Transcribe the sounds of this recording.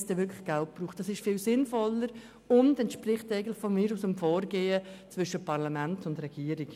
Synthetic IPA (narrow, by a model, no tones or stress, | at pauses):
sd̥ɛʋɪɾkʰlə̥χɡ̥alt̚b̥ruːχtd̥ɑsɪʃfɪːlsɪnfɔləɾ | ʊndɛntʃprɪχtæɪɡəntlɪχfɔnmɪːɾusəmfɔːɾɡeːət͡svʏʃəpʰɑʁlamæntʊndrɛɡ̥iːəɾɪk